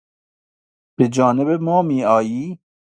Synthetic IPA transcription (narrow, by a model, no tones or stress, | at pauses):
b̥ed͡ʒɔːnebemɔːmiːɑːjiː